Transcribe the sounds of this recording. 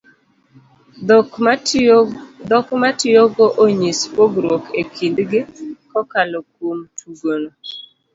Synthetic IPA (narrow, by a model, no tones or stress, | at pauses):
d̪ɔkmatɪoɡɔʔoɲispoɡɾwɔkekʰindɡɪkɔkalɔkwomtʰuɡono